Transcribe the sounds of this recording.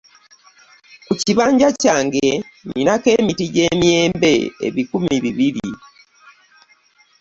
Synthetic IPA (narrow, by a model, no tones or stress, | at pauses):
kuciβaːɲɟacaːŋɡe̞ninake̞ːmitiɟe̞ːmje̞ːmbe̞ḛβikumiβiβiɾi